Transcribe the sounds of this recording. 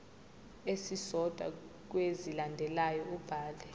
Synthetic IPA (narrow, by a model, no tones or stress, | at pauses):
esisɔd̥ʱwa̰ | k̬wezilandʱɛlajɔub̥ʱaːlɛ